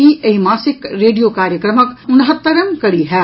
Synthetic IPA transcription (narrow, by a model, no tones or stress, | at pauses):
iʔɐimaːsɪkɾeːɖijoːkaːɾjəkɾəməkʊnɦɐt̪ːɐɾɐmkɐɽiɦɛː